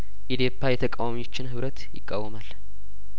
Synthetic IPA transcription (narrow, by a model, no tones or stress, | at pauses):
ʔid̪jopʰːajɛt̪ʰəkʼawamiot͡ʃːɪnhɨβɾət̪jɪ̰kʼːawːəmal